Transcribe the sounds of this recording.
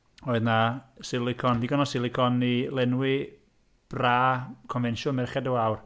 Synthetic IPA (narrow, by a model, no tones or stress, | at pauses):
ɔɨðnasɪlˠɪkʰɔndiɡɔnɔsɪlˠɪkʰɔnilɛnwɪ | b̥raːkʰɔnvɛnʃɔlˠmɛrχɛdəwawr